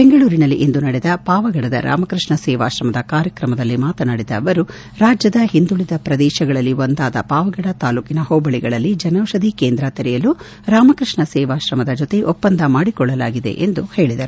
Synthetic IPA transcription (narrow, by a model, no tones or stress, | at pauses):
beŋɡɐɭuːɾinɐlːiʔend̪unɐɽɛd̪ɐpaːʋɐɡɐɽɐd̪ɐ̰ɾʔa̰ːmɐkɾɨʂɳɐsɛːʋaːʃɾɐmɐd̪ɐkaːɾjɐkɾɐmɐd̪ɐlːimaːt̪ɐnɐɽid̪ɐʋɐɾu | ɾaːd͡ʒjɐd̪ɐɦind̪uɭid̪ɐpɾɐd̪ɛːʃɐɡɐɭɐlːiond̪aːd̪ɐ̰paːʋɐɡɐɽɐt̪aːluːkinɐhɔːbɐɭiɡɐɭɐlːid͡ʒɐnɐwʂɐd̪ikeːnd̪ɾɐt̪ɐɾɛjɐlu | ɾaːmɐkɾɨʂɳɐsɛːʋaːʃɾɐmɐd̪ɐd͡ʒɔt̪eʔɔpːɐnd̪ʱɐmaːɽikɔɭːɐlaːɡid̪e̞̰ʔend̪uhe̞ːɭid̪ɐɾu